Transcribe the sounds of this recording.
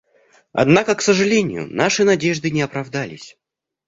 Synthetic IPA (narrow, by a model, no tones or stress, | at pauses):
ɐ̰d̪nakəksəʐɨlʲenʲɪjʊ̰naʂɨnɐdʲeʐd̪ɨnʲɪɐpɾɐvd̪alʲɪ̰sʲ